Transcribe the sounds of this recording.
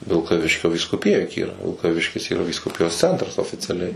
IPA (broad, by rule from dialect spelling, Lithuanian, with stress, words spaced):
ʋʲɪlˠkɐˈʋʲɪʃʲkʲoː ʋʲiːskʊˈpʲɪjɛ jʊk ˈiːrɐ ʋʲɪlˠkɐˈʋʲɪʃʲkʲɪs iːˈrɐ ʋʲiːskʊˈpʲɪjoːs ˈt͡sʲɛntrɐs oːfʲɪt͡sʲɛˈlʲɛɪ